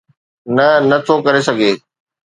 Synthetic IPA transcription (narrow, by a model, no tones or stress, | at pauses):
nɐnɐt̪ʰokɐɾesɐɡʱeː